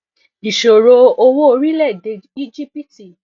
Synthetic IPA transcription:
i˨ʃo˨ɾo˧o˧wo˦o˧ɾi˦lɛ˦˨de˧i˦d͡ʒi˦pi˦ti˨

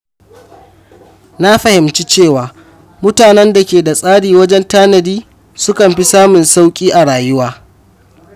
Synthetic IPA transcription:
na˦ɸɐ˨hɪ˨mt͡ʃi˦t͡ʃeː˦˨waː˨ | mʊ˦taː˨nɛ˦nda˨kʲeː˨da˨sʼaː˦ɽiː˨wɐ˦d͡ʒɛ˦ntaː˦nɐ˨diː˦ | sʊ˦kɐ˨mɸi˦saː˦mʊ˨nsa˦wkʲʼiː˦ʔa˨ɽaː˨jʊ˦waː˦

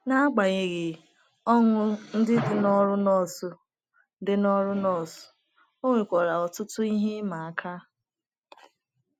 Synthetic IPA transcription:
na˦a˦ɡ͡ba˨ɣɪ˨ɣɪ˨ | ɔ˦ŋʷʊ˦n̩˦dɪ˦dɪ˨nɔ˦ɾʊ˦nɔ˦˨sʊ˨ | dɪ˦nɔ˦ɾʊ˦nɔ˦˨sʊ̥˨ | o˦ŋʷe˨kʷɔ˨ɾa˨ɔ˨tʊ˦tʊ˦i˦ɦe˦ma˨a˨kʰa˦

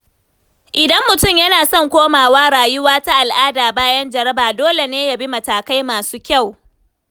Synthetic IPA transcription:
ʔɪ˨dɐ˦mːʊ˨tʊ˦˨mjɐ˦naː˨sɔ˦˨ŋkʷoː˦maː˨waː˦ɽaː˨jʊ˦waː˦ta˦ʔa˨lʔaː˦daː˨baː˦jɐ˦nd͡ʒɐ˨ɾɐ˦baː˨doː˦le˨neː˦ja˨bi˦mɐ˨taː˨ka˦jmaː˨suː˦kʲa˦˨w

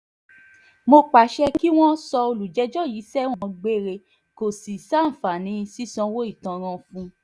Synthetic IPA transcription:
mo˧k͡pa˨ʃɛ˧ki˦w̃ɔ̃˦sɔ˧o˧lu˨d͡ʒɛ˨˦d͡ʒɔ˦˨ji˨˦sɛ˦w̃ɔ̃˧ɡ͡be˦ɾe˧ | ko˨si˨sa˦˨fa˨nĩ˨˧˦si˦sɔ̃˧wo˦i˦˨tã˧ɾ̃ã˧fũ˧˦

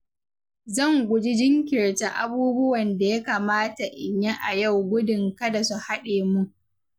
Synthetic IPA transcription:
zɐ˦˨ŋɡʷʊ˨d͡ʒi˦d͡ʒɪ˦ŋkʲɪ˨ɽta˦ʔa̰˦buː˦bʊ˦wɐ˨nda˨ja˦kaː˨maː˦ta˨ʔɪ˨ɲja˦ʔa˨ja˦˨wɡʷʊ˦dɪ˨ŋkɐ˦da˨su˨ha˦ɗeː˨mu˦ʔ

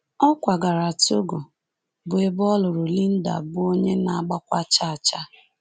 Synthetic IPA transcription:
ɔ˦kʷa˨ɡa˨ɾa˨to˦ɡo˨ | bʊ˨e˨bɔ˦lʊ˨ɾʊ˨li˦n̩˦da̰˨bʊ˦o˦ɲe˦na˨a˨ɡ͡ba˦kʷa˦t͡ʃa˦a˨t͡ʃa˦

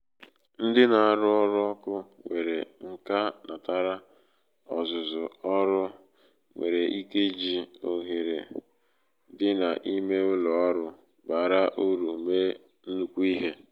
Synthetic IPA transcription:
n̩˦dɪ˦na˨a˨ɾʊ˦ɔ˦ɾʊ˦ɔ˦kʊ˦ŋʷe˨ɾe˨ŋ̩˨ka˦na˨ta˦ɾa˦ | ɔ˨zʊ˨zʊ˨ɔ˦ɾʊ˦ | ŋʷḛ˨ɾe˨ʔi˦ke˦d͡ʒi˨o˨ɦi˨ɾḛ˨˦ | dɪ˦na̰˨ʔi˦me˦ʊ˦lɔ˨ɔ˦ɾʊ˦ | ba˨ɾa˦ʔu˦ɾu˨me˦ | n̩˦nu˨kʷu˦i˦ɦe˦

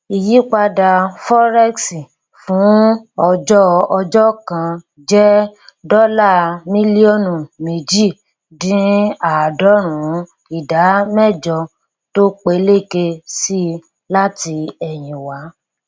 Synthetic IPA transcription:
i˨ji˨˦k͡pa˧da˧fɔ˦ɾɛ˦ksi˨ | fũ˨˦ɔ˧d͡ʒɔ˦ɔ˧d͡ʒɔ˦kã˧ | d͡ʒɛ˦dɔ˦la˦˨mĩ˦li˦ɔ˦˨nũ˨me˨d͡ʒi˦˨ | dĩ˨˦a˨dɔ˨˦ɾ̃ũ˨˦ | i˨da˨˦mɛ˦˨d͡ʒɔ˧ | to˦k͡pe˧le˦˨ke˧si˦ | la˦ti˧ɛ˨jĩ˨wa˨˦

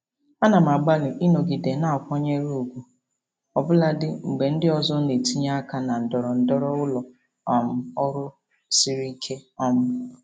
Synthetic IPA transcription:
a˦na˨m˨a˨ɡ͡ba˦lɪ˨ʔi˦no˨ɡi˨de˨na˦ɔ˨kʷɔ˦ɲe˦ɾu˨ɡʷu˨ | ɔ˨bʊ˦la˦dɪ˦ŋ͡m̩˨ɡ͡be˨n̩˦dɪ˦ɔ˨zɔ˦ne˨ti˦ɲa˦a˦ka˦na˨n̩˨dɔ˨ɾɔ˨n̩˦dɔ˦ɾɔ˦ʊ˦lɔ˨ | ɔ˨m̩˦ɔ˦ɾʊ˦ | si˦ɾi˦kʰe˦ɔ˦m̩˦

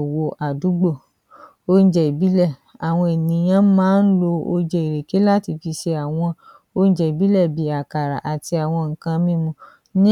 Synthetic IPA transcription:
wo˧ʔa˨du˨˦ɡ͡bo˦˨ | o˦˧n̩˦d͡ʒɛ˧˨i˨bi˨˦lɛ˦˨a˨w̃ɔ̃˧e˨nĩ˨˦j̃ã˦mãː˦n̩˦lo˧o˧d͡ʒɛ˧˨i˨ɾe˨ke˨˦la˦ti˧fi˧ʃe˧a˨w̃ɔ̃˧ | o˧n̩˦d͡ʒɛ˨i˨bi˨˦lɛ˦˨bi˨˦a˨ka˨ɾa̰˨ʔa˨ti˧˦a˨w̃ɔ̃˧ŋ̩˨kã˧mĩ˦mũ˧˦ | nĩ˦

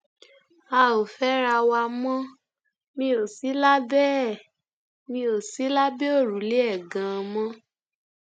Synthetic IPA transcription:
a˧o˨fɛ˦ɾa˧wa˧mɔ̃˦ | mĩ˧˦o˨si˨˦la˦bɛ˦˨ | mĩ˧o˨si˨˦la˦be˦o˦˨ɾu˨˦le˦ɛ˦˨ɡã˨˦˧mɔ̃˦

